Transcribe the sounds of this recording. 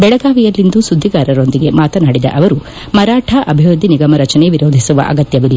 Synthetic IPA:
bɛɭɐɡaːʋijɐlːind̪usud̪ʱːiɡaːɾɐɾo̞nd̪iɡe̞maːt̪ɐnaːɽid̪ɐ̰ʔɐʋɐɾu | mɐɾaːʈʰɐʔɐbʱiʋɐd̪ʱiniɡɐmɐɾɐt͡ʃɐneʋiɾo̞ːd̪ʱisuʋɐ̰ʔɐ̰ɡɐt̪jɐʋilːɐ

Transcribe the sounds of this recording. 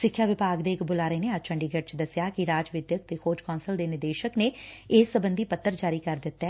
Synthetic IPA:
sɪkʰːjaːʋɪpaːɡd̪eːɪkbʊlaːɾəeːneːəd͡ʒt͡ʃʰəɳɖiːɡəʈ̚t͡ʃd̪əsjaːkɪɾaːd͡ʒʋɪd̪jək̚t̪eːkʰoːd͡ʒkɔːnsəld̪eːnɪɾd̪eːʃəkneːeːsːəbənd̪iːpət̪ːəɾd͡ʒaːɾiːkəɾd̪ɪt̪ːɛː

